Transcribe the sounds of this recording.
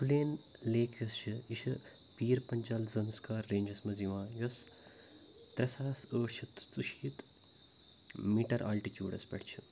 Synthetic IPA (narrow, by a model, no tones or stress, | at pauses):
fuleːnleːkʰjɐst͡ʃʰiiʃʰɐ | piːɾpɐɲt͡ʃɐlzɐnskaːɾːeːɲd͡ʒɐsmɐziʋãːjos | t̪ɾɐsaːsəːʃʰit̪t͡suʃiːt̪ | miːʈɐɾa̰ːlʈit͡ʃjṵːɽɐspʲɐ̰ɽt͡ʃʰɨ